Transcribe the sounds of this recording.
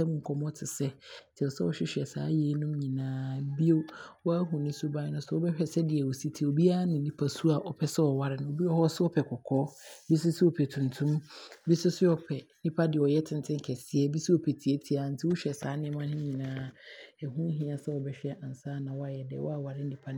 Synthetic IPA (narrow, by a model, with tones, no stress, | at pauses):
ɛ˦mʊ̃˨ŋ̩˨kʰɔ˦mɔ̃˦tʰɪ˨sɛ˦tʰɪ˨ɔ˨sɛ˦wɔ˦ɕᶣɪ˦ɕᶣɛ˨sa̰ː˨˦jɛː˨˦nʊ̃˦mɲĩ˨nãː˦bi˦o˦wɔ˦a˦ɦũ˨nɪ̃˦sʊ˦ba˦ɪ˦nʊ̃˦sɔ˦ɔ˦bɛ˦ɕᶣɛ˨sɛ˦dɪ˨ɛ˨wo˨si˦tʰi˨o˨bi˦a˦nɪ̃˨nĩ˦pʰa˦su˦a˨ʔɔ˨pʰɛ˦sɛ˦ɔ˨wa˦ɾɪ˦nʊ̃˨o˨bi˦ɔ˦hɔ˦sɪ˦ɔ˦pʰɛ˨kʰɔ˨kʰɔː˦bi˦sʊ˦sɪ˦ɔ˨pʰɛ˨tʰũ˨ntʰũ˦mbi˦sʊ˦sɪ˦ɔ˨pʰɛ˨n˦nĩ˦pʰa˦dɪ˨ɔ˨jɛ˦tʰɪ̃˦ntʰɪ̃˦ŋ˦˨kʰɛ˨sɪ˦ɛ˦bi˦si˦ɔ˨pʰɛ˨tʰi˨e˦tʰi˨a˨˦n̩˦tʰɪ˦wʊ˦ɕᶣɛ˨saː˨˦nɪ̃˦ɛ˦mã˦nɪ̃˦ɲĩ˨nãː˦ɛ˨hũ˦ɦĩ˦a˨sɛ˦ɔ˨bɛ˦ɕᶣɛ˦ʔã˨n̩˨saː˦nã˨wɔ˦a˨jɛ˨dɛ̰˨wɔ̰˦a˦wa˨ɾɪ˦n̩˦nĩ˨pʰa˦